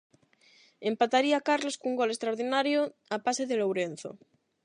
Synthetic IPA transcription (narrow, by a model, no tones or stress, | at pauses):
empat̪aɾiakaɾloskuŋɡolest̪ɾaoɾðinaɾjoapaseðelowɾen̟θo̰